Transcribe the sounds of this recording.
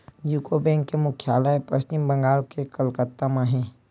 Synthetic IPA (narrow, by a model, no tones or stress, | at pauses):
d͡ʒuːkobɛ̃ːŋkːemʊkʰjaːləepɐst͡ʃɪmbə̃ŋɡaːlkekəlkət̪ːamãɦɛ̃ː